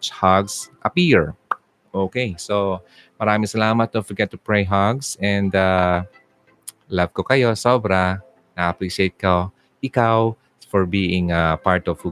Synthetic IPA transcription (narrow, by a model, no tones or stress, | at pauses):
t͡ʃhaɡsʔɐpiɹ | ʔoːkejso | mɐɾaːmɪŋsɐlaːmɐt̪̚ːofɔɹɡɛt̪ːʊpɹɛjɦaɡsɛ̃nd̪a | lav̥kokɐjo̞soːbɾa | nɐʔɐpɾiʃejt̪̚ko | ʔɪkaw | fɔɹbiːʔɪ̃ŋapaɹt̪ɔf